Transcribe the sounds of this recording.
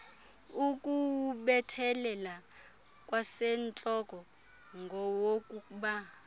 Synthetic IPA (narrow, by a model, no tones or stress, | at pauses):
ukʼuɓɛtʰɛlɛla | kʼwasɛnt͡ɬʼɔkɔ | ŋɡʱɔwokʼuɓa